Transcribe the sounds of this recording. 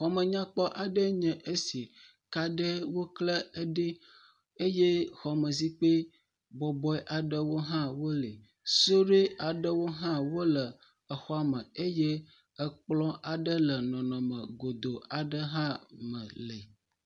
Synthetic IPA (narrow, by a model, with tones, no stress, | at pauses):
xɔ˨mə̃˨ɲã˦k͡pɔ˦ʔa˨ɖə˦ɲɛ̃˨ʔe˦si˨ | ka˦ɖə˦wo˦klə˦ɖe˦ | e˦je˦xɔ˨mə̃˨zi˦k͡pe˦ | bɔ˨bɔ˦ɛ˦ʔa˨ɖə˦wo˦ɦã˦wo˦le˨ | so˦ɖe˦a˨ɖə˦wo˦ɦã˦wo˦lə˨ | ə˨xɔ˦a˦mə̃˨e˦je˦ | ə˦k͡plɔ̃˦ʔa˨ɖə˦lə˨nɔ̃˨nɔ̃˨mə̃˨ɡo˨d̪o˨a˨ɖə˦ɦã˦mə̰̃˨lə˨